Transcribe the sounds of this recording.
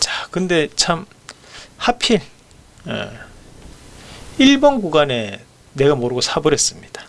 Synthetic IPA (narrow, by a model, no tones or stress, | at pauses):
t͡ɕakɯnde̞t͡ɕʰam | hapʰiɭ | jḛ | iɭbʌnɡuɡane̞ | ne̞ɡamoɾɯɡosʰabɯɾɦe̞s͈ɯmɲid̥a